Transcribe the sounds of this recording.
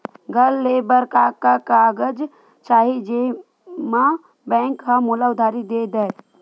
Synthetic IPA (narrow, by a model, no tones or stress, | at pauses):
ɡʱəlːeːbəɾkakakaːɡəd͡ʒ | t͡ʃaːɦid͡ʒe | ma | bɛ̃ːŋkɦamuːlaʊd̪ʱaːɾid̪eːd̪ɛ